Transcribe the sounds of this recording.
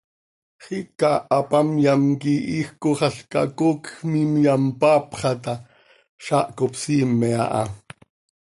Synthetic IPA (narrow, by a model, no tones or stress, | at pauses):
χikaːpamjamkiʔixkoχɑɬka̰kokxmimjampaːpχɑt̪a | ʃaʔkopsiːmːɛa̰ʔa̰